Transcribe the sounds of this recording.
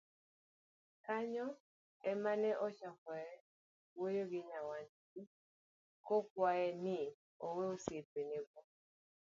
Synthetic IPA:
kaɲɔ | ɛmanɛʔɔt͡ʃakaɛ | wojoɡɪɲawaɲt͡ʃ | i | kɔkwaɛnɪ | oweosepeneɡɔ

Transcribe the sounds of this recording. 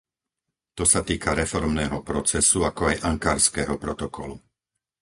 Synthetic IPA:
t̪ɔsat̪iːkaɾɛfɔɾmnɛːɦɔpɾɔt͡sɛsuakɔajʔaŋkaːɾskɛːɦɔpɾɔt̪ɔkɔlu

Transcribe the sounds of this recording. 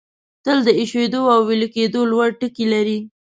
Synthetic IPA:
t̪əld̪əɪʃwed̪oawːelked̪olwaɽʈəkilaɾi

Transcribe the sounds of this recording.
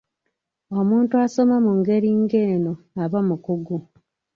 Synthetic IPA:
o̞muːntuaso̞mamuŋɡe̞ɾiŋɡe̞ːno | aβamukuɡu

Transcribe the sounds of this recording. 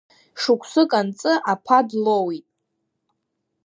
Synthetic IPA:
ʂukʷʰsɨkʼant͡sʼɨʔapʰadlowitʼ

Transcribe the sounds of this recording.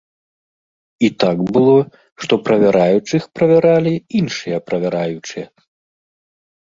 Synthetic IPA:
it̪aɡbɨlˠɔ | ʂt̪ɔpɾɐvʲaɾajut͡ʂɨxpɾɐvʲaɾalʲiinʂɨjɐpɾɐvʲaɾajut͡ʂɨjɐ

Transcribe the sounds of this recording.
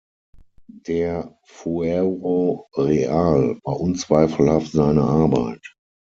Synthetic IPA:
d̥eːɐ | fuɛʁoʁeaːlvaːʔʊnt͡sv̥aɪfl̩haftz̥aɪnəʔaɐba̰ɪt

